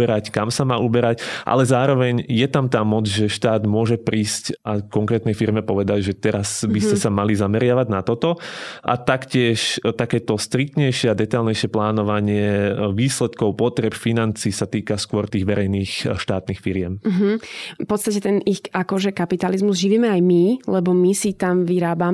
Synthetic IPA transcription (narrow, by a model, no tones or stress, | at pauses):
ɛɾackamsamaːʔubɛɾacʔa̰lɛzaːɾɔʋɛɲjɛt̪amt̪aːmɔd͡zʒɛʃt̪aːd̪mʊɔʒɛpɾiːscʔakɔŋkɾɛːt̪nɛjfiɾmɛpɔʋɛd̪alʒɛt̪ɛɾazbiscɛsamalizamɛɾɪaʋaɟnat̪ɔt̪ɔʔa̰t̪akcɪɛʃt̪akɛːt̪ɔst̪ɾik̚t̪ɲɛjʃɪɛad̪ɛt̪ajlˠɲɛjʃɛplaːnɔʋaɲɪɛʋiːslɛt̪kɔʊpɔt̪ɾɛpfinant͡siːsat̪iːkaskʊɔɾt̪iːɣʋɛɾɛjniːxʃt̪aːt̪niːxfiɾɪɛm̩ɦ̩pɔt̪st̪acɛt̪ɛnixakɔʒɛkapit̪alizmuzʒiʋiːmɛajmilɛbɔmisit̪amʋiɾaːba